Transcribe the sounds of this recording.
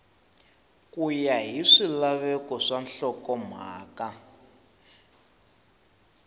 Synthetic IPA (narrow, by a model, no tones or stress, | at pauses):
kujaɦiʂilaβɛkɔʂanɬɔkɔm̤a̰ːka